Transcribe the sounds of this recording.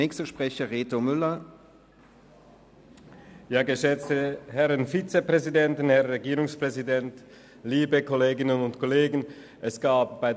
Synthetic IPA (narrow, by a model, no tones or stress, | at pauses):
ɛːkstɐʃpʁ̥ɛçɐʁeːtomʏlɐ | jaːɡəʃɛt͡stəhɛʁənfit͡sepʁ̥ɛzidɛntənhɛʁʁɛɡiːʁʊŋspʁ̥ɛzidɛnt | liːbəkʰɔleːɡɪnənʊntkʰoleːɡn̩ | ʔɛsɡ̥aːp̚b̥aɪd